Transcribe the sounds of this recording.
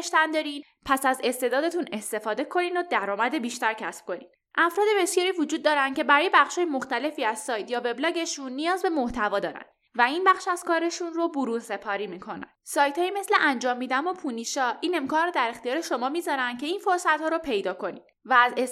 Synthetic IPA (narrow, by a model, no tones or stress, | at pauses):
ʃt̪ænd̪ɒːɾin | pʰæsæze̞st̪e̞d̪ɒːd̪e̞t̪ʰune̞st̪e̞fɒːd̪e̞kʰo̞niːnod̪æɾɒːmæd̪e̞biːʃt̪æɾcʰæsb̥̚ko̞nḭd̪̥ | ʔæfɾɒːd̪e̞be̞sjɒːɾiːvod͡ʒuːd̪̚ːɒːɾænce̞bæɾɒːje̞bæχʃhɒːjemo̞xt̪æle̞fiːæz̥sɒːjt̪ʰjɒːve̞blɒːɟe̞ʃunːijɒːzbe̞mo̞ht̪ʰævɒːd̪ɒːɾæ̰n | væinbæxʃæz̥kɒːɾe̞ʃunrobuɾuːnse̞pʰɒːɾiːmiːkʰo̞næ̰nsɒːjt̪hɒːjime̞sleʔænd͡ʒɒːmːiːd̪ænopʰuniʃɒːʔiːne̞mkʰɒːnrod̪æɾe̞xt̪ijɒːɾe̞ʃo̞mɒːmiːzɒɾænd̪̥̚ce̞infoɾsæt̪hɒːɾopʰe̞jd̪ɒːkʰo̞nid̪væːze